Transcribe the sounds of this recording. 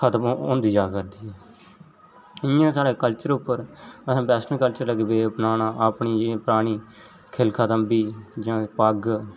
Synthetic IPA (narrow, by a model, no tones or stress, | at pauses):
kʰət̪əmʊːnd̪iːd͡ʒaːkəɾd̪iːɦɛː | ɪjãːsaːɽeːkəlt͡ʃəɾʊpːəɾəsãːpɛːsnəlkəlt͡ʃəɾləɡeːbeːpnaːnaːʔpɳiːd͡ʒ̃ːpəɾaːɽ̃iː | kʰɪlkʰət̪əmbiːd͡ʒãːpəɡ